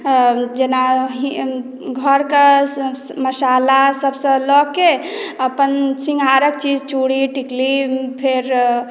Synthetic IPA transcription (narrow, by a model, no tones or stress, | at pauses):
d͡ʒenaɦi | ɡʱəɾke | məsalasəbsə̃lɔkeəpənsĩŋɡʱaɾək̚t͡ʃid͡ʒt͡ʃuɽiʈiklipʰeɾ